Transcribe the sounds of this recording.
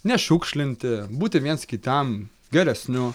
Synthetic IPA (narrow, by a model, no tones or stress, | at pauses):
nʲɛʃuːkʃʲlʲɪnʲt̪ʲɪbuːt̪ʲɪʋʲiɛnskʲɪt̪ʲɛm | ɡʲɛɾʲɛsʲnʲʊ